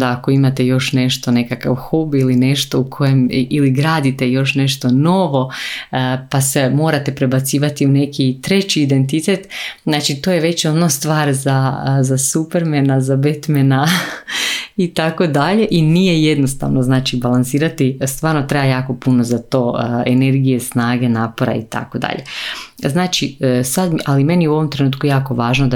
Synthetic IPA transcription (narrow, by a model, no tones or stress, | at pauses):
d̪aako̞imat̪e̞jo̞ʃne̞ʃt̪one̞kaka̰ʋxobiline̞ʃt̪o̞ukʰo̞jemiliɡɾaːd̪it̪ejo̞ʃne̞ʃt̪o̞no̞ʋo̞ | pasemo̞ːɾat̪e̞pɾe̞bat̪siːʋat̪iune̞kit̪ɾe̞t͡ɕiːd̪e̞nt̪̬it̪et̪znaːt͡ʃit̪ojeʋe̞t͡ɕonost̪ʋaːɾzazasupeɾmenazabet̪mena | it̪akod̪aʎe̞ʔinije̞je̞d̪no̞st̪a̰ʋnoznaːt͡ʃibalˠansiːɾat̪ist̪ʋaːɾnot̪ɾaajaːko̞puno̞zat̪o̞ːene̞ɾɡije̞snaːɡe̞naːpo̞ɾa̰ḭt̪a̰ko̞d̪a̰ʎe̞̰znaːt͡ʃisad̪ʔalime̞nijeuo̞ʋo̞mt̪ɾe̞nuːt̪̚kujaːko̞ʋaːʒnod̪a